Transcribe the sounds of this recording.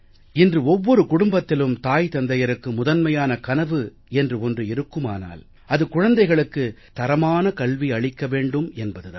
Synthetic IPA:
ɪndrɯɔʋːɔɾɯkʊɽʊmbɐt̪ːɪlɯmt̪aːjt̪ɐnd̪ɐjɐɾɯkːɯmʊðɐnmɐjaːnɐkɐnɐʋɯ | ɛndrɯɔndrɯɪɾɯkːɯma̰ːna̰ːl | ɐðɯkʊɻɐnd̪ɐɪɣɐɭɯkːɯt̪ɐɾɐmaːnɐkɐɭʋiɐɭɪkːɐʋeːɳɖɯmɛnbɐðɯða̰ː

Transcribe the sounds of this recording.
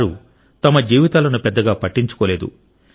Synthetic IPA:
ɾu | t̪ɐmɐd͡ʒiːʋit̪aːlɐnupɛd̪ːɐɡaːpɐʈːiɲt͡ʃu̥koːle̞ːd̪ṵ

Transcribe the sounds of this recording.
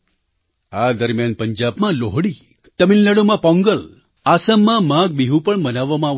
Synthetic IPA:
ad̪əɾmjanpəɲd͡ʒabmãloɦɽi | t̪əmilːəɽumãpɔ̃ŋɡəl | asəmːãmãɡ̚biɦũpəɳmənaʋamã

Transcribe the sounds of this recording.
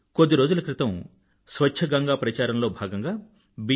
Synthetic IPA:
kod̪ːiɾo̞ːd͡ʒulɐkɾɪt̪ɐm | sʋɐt͡ʃʰɐɡɐŋɡaːpɾɐt͡ʃaːɾɐmlo̞ːbʱaːɡɐŋɡaː | bi

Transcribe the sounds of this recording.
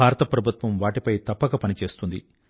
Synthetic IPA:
aːɾɐt̪ɐpɾɐbʱut̪ʋɐmʋaːʈipɐjt̪ɐpːɐkɐpɐnit͡ʃe̞ːst̪und̪ḭ

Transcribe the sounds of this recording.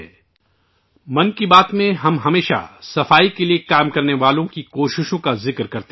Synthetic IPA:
mɐnkibaːt̪mẽɦɐmɦɐmeːʃa̰sɐfaːikeliekaːmkɐɾneʋaːlõkikoːʃɪʃõkazɪkɾkɐɾt̪ː

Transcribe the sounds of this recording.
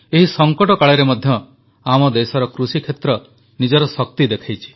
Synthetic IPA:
eɦisɔŋkɔʈɔkaɭeɾemɔd̪ʱjɔ | amɔd̪esɔɾɔkɾusikʰet̪ɾɔ | nid͡ʒɔɾɔsɔk̚t̪id̪ekʰajt͡ʃʰi̥

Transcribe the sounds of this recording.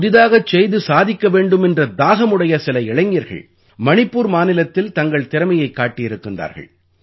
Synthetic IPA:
ʊðɪðaːɣɐt͡ʃːɛjðɯsaːðɪkːɐʋeːɳɖɯmɛndrɐd̪aːɣɐmɯɽɐjɐsɪlɐɪɭɐŋɡiɐɾɣɐ̰ɭ | mɐnɪpːuːɾmaːnɪlɐt̪ːɪlt̪ɐŋɡɐɭt̪ɪɾɐmɐjɐɪkːaːʈːɪjɪɾɯkːɪndra̰ːɾɣɐ̰ɭ

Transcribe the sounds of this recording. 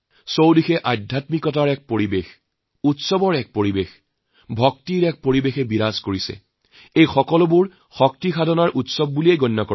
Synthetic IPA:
sowdixɛʔadʱjatmikɔt̬aɹɛk̚poɹibex | utsɔbɔɹɛk̚poɹibex | bʱɔktiɹɛk̚poɹibexɛbiɹazkoɹisɛ̰ | ejxɔkɔlɔbuɹ | xɔk̚tixadʱɔnaɹʔutsɔb̚ːulieɡɔnːɔkɔ

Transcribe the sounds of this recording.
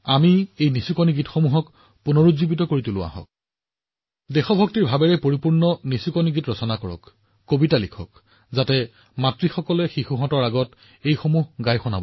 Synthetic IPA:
amiejnisikɔniɡitxomuɦɔk | punɔɹuzibitɔkoɹitulʊa̰hɔ̰k | dɛxɔbʱɔktiɹbʱabɛɹɛpoɹipuɹnɔnisikɔniɡitɹɔsɔnakɔɹɔ̰kː | obitalikʰɔ̰k̚ | zatɛ | matɹixɔkɔlɛxixuɦɔ̃tɔɹaɡɔt | ejxomuɦɡajxɔnabɔ

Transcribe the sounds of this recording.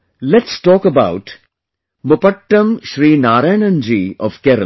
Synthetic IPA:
lɛʈsʈɔːkəbaʊʈ | mʊpəʈːə̃mʃɾiːnaːɾajnə̃nd͡ʒiːɔ̰ʋkɛɾə̰l

